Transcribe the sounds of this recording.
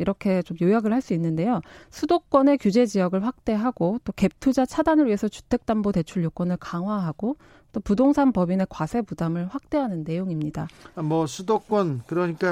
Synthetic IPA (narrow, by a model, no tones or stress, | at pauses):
iɾʌkʰe̞t͡ɕomjojaɡɯɭhaɭs͈uinːɯnde̞josʰudok͈̚wʌne̞kjud͡ʑe̞d͡ʑijʌɡɯɭɸwak̚t͈e̞ɦaɡot͈oke̞p̚tʰud͡ʑat͡ɕʰadanɯɭɥiɦe̞sʰʌt͡ɕu̥tʰe̞k̚t͈ambote̞t͡ɕʰuɭjok͈wʌnɯɭkaŋɦwaɦaɡ̥o | t͈opudoŋsʰanpʌbine̞kwasʰe̞pudamɯɭɸwak̚t͈e̞ɦanɯnːe̞joŋimɲidaamʌsʰudok͈wʌnkɯɾʌɲik͈a